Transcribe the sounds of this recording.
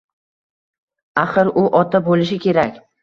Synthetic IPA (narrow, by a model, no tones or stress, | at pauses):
aχɪɾʊʔɒt̪ʰabolɪʃɪkʲʰe̞ɾakʲ